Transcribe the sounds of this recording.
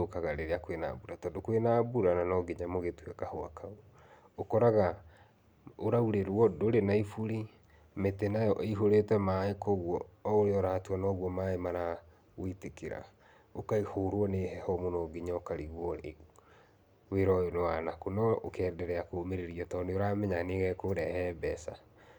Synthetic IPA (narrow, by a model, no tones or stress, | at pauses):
okaɣaɾeɾeakwena̰buɾatɔːndokwenabuɾananɔɡeɲamoɣetwɛkahoa̰kʰauɔ | okɔɾaɣa | oɾauɾeɾwɔdoɾenaifuɾi | metenajɔʔiɦoɾetwɛmaekoɣwɔːoɾeɔɾaːtwɔnɔːɣwɔmaemaɾa | ɣoitekeɾa̰ | okaihoːɾwɔnehɛhɔmonɔɡiɲaokaɾiɣwɔ | weɾɔnɔwanakonɔokɛːndɛɾɛakomeɾeɾiɔtɔːneoɾamɛɲaneɣɛkoɾɛhɛbɛsa̰